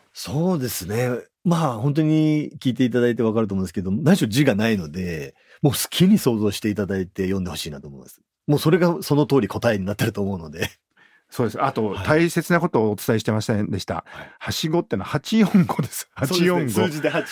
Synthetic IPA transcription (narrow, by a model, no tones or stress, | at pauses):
so̞ːd̪e̞sɨne̞ | mahõ̞nt̪̬o̞ɲ̟ikʲiːt̪̬e̞it̪̬ad̪ait̪̬e̞β̞akaɾɯ̟t̪om̃nesked̪onãniɕod͡ʑiɡanaino̞d̪e̞ | mo̞ːsɨ̥kʲʰiɲ̟iso̞ːzo̞ːɕi̥t̪e̞it̪ad̪ait̪e̞jõ̞nd̪e̞ho̞ɕiːnat̪oːmo̞̰imasɨ̥ | moːso̞ɾe̞ɡaso̞no̞t̪o̞ːɾʲikʰo̞t̪aeɲ̟inat̪ːeɾɯ̟t̪o̞ːmo̞ɯ̟nod̪e̞ | so̞ːd̪esat̪o̞at̪ʰaise̞t͡sɨnako̞t̪o̞ːt͡sɨ̥t̪aiɕi̥t̪e̞masi̥sẽnd̪e̞ɕi̥t̪a̰ahaɕiɡo̞t̪ːeːnoahat͡ɕijõŋɡod̪e̞sɨ̥hasoijõŋɡd͡ʑid̪eha